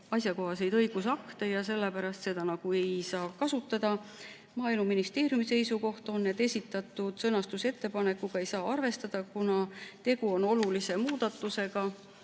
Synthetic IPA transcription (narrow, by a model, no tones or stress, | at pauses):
ɑsjɑko̞ɦɑse̞jd̪ɤ̞jɡ̥us̬ɑkt̪ejɑse̞lːepæɾɑst̪se̞d̪̥ɑnɑɡ̥ue̞jsɑːkɑsut̪ːˑɑd̪ɑ | mɑːijlmuminist̪e̞ːɾjumise̞jsuko̞ht̪o̞nːet̪ːe̞sʲit̪ːˑɑt̪ːˑud̪̥sɤnɑst̪use̞t̪ːe̞pɑne̞kːˑuɡ̥ɑe̞jsɑːɑrve̞st̪ɑd̪̥ɑkunɑt̪e̞ɡuo̞no̞lulisemuːd̪̥ɑt̪ːˑuse̞ɡ̥ɑ